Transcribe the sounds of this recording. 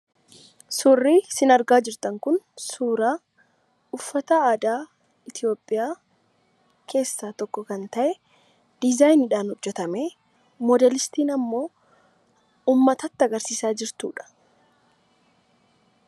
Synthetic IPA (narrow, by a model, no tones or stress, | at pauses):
sʊrːiːsɪnɐɾɡaːd͡ʒɪɾt̪ɐŋkʊnsuːɾaː | ʊfːɐt̪ɐaːd̪aː | ɪt̪ɪjo̞ːpʼːɪjaː | kʰe̞ːsːaːt̪ɔkːɔkɐnt̪ɐʔɛ | d̪̥ɪzajnɪᶑaːnhʊd͡ʒːɛt̪ɐmeː | mɔd̪ɛlɪst̪iːnɐmːo̞ː | uːmːɐt̪ɐt̪ːɐɡɐɾsiːsaːd͡ʒɪɾt̪ṵːᶑɐ̥